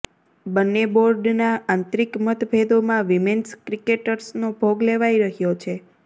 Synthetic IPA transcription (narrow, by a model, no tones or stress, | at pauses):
bənːeboɾɖnaãnt̪ɾikmət̪bʱed̪omãʋimenskɾikeʈəɾsnobʱoɡleʋaiɾəɦjot͡ʃʰe